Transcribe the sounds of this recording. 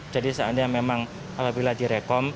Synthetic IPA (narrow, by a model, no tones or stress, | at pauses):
d͡ʒadisaandajaŋmemaŋ | apabiladiɾekɔm